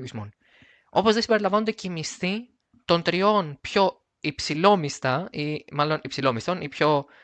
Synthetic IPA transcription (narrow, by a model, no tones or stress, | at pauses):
izmon | o̞pozðe̞sibe̞ɾilɐɱvɐnod̪ecemist̪i | t̪o̞nt̪ɾio̞npço̞ | ipsilo̞mist̪ɐimɐlo̞nipsilo̞mist̪o̞nipço̞